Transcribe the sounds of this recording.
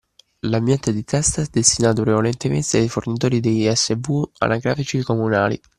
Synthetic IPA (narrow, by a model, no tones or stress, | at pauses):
lambjɛnt̪ed̪it̪ʰɛst̪aɛd̪ːest̪inaːt̪ʊpɾevalɛnt̪emḛnt̪eajfornit̪̬oːɾid̪ejɛsːebua̰naɡɾaːfit͡ʃikomunaːlḭ